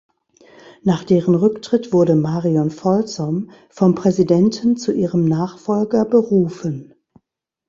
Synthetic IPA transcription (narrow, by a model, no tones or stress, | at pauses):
naːχd̥eːʁənʁʏktʁ̥ɪtv̥ʊɐɾəmaːʁiɔnfɔlt͡sɔm | fɔmpʁ̥ɛzidɛntʰn̩t͡suʔiːʁəmnaːχfɔlɡɐbəʁuːfən